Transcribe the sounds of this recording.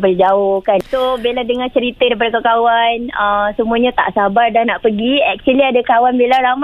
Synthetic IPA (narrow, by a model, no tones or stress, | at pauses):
bəld͡ʒaʊhkansobiladəŋat͡ʃəɾit̪ədaipadəkakawanəsəmũaɲãt̪a̰ʔsabardahnaʔpəɡiɛk̚t͡ʃwəliadakawanbilaɾama